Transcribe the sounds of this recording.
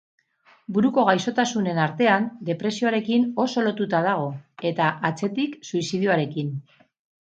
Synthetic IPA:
buɾuko̞ɣ̞ajso̞t̪asune̞naɾt̪e̞and̪e̞pɾe̞sioaɾe̞kino̞so̞lo̞t̪ut̪að̞aɣ̞o̞e̞t̪aʔat͡se̞t̪iksuisiðjuaɾe̞kin

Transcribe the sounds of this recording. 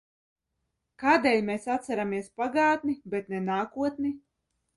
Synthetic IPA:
kaːd̪eːlʲmɛsat̪sæɾamiɛspaɡaːt̪nibet̪nɛnaːkuɔt̪ni

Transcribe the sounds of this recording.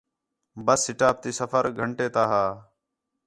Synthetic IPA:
bəsːɪʈaːp̚t̪iːsəfəɾɡʱəɳʈeːt̪aːɦaː

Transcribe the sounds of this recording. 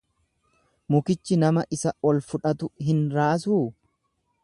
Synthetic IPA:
mʊkɪt͡ʃːɪnɐmɐʔɪsɐwɔlfʊᶑɐt̪ʊɦɪnɾaːs̬uː

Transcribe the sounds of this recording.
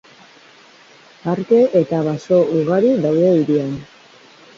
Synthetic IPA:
aɾke̞ʔet̪aβaso̞uɣ̞aɾiðawðe̞iɾian

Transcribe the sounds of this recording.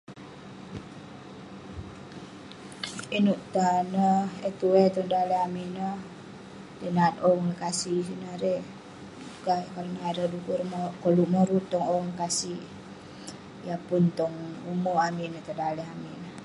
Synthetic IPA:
inuʔt̪anəhɛt̪uwet̪ɔŋdalɛɦaminəh | denat̪oŋləkasisinaɾe | ɡakaɾanaaɾədukurmkoluʔməɾut̪ːɔŋoŋləkasi | japunt̪ɔŋumoaminət̪adalɛɦaminəh

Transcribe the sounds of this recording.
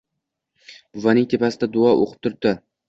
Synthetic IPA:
b̥ʊvanɪŋt̪ʰe̞pasɪd̪ad̪ʊɒʔo̰qʰɨ̥p̚t̪ʰʊɾ̚d̪ɪ

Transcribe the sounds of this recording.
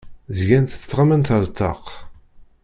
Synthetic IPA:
zʝænt̪θt͡sːʁəmənt̪əɾˤt̪ːɑ̰q

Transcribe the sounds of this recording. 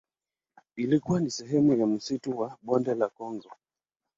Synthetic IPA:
ilikuwanisɛɦɛmujam̩situwaɓɔndɛlakɔŋɡɔ

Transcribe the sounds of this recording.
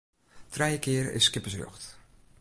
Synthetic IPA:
trɛjəkɪəɾɪ̰skɪpəsrɔ̰χt

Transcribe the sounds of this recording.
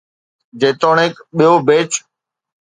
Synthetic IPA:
d͡ʑeːt̪oːɳeːkɓijobeːt͡ʃ

